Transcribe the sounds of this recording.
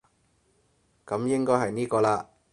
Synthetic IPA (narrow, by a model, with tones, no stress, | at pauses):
kɐ˨˥mjɪ˥ŋkɔː˥jɦɐ˨jniː˥kɔː˧laː˧